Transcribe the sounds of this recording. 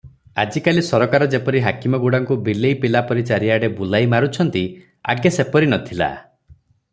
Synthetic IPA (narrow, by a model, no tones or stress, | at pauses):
a̰d͡ʒikalisɔɾɔkaɾɔd͡ʒepɔɾiɦakimɔɡuɽaŋkubileipilapɔɾit͡ʃaɾiaɽebulajmaɾut͡ʃʰɔnt̪i | a̰ɡesepɔɾinɔt̪ʰila̰